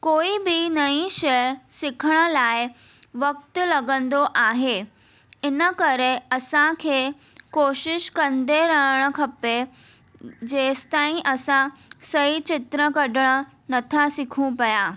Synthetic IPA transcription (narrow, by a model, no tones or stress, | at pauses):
koːibɪnɐĩʃɐjəsɪkʰəɽ̃ə̆laːɪ | ʋɐk̚t̪lɐɡə̃nd̪oʔaːɦeː | ɪnə̆kɐɾeɐsãkʰeː | koːʃɪʃkɐ̃nd̪eɾɐɦəɽ̃ə̆kʰɐpe | d͡ʑeːst̪aːĩʔɐsãsɐit͡ɕɪt̪ɾəkɐɖʱəɽ̃ə̆ | nɐt̪ʰasɪkʰũpɐjaː